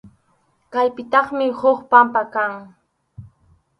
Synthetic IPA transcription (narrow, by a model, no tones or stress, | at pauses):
kajpɪt̪ɑχmɪhoχpampakaŋ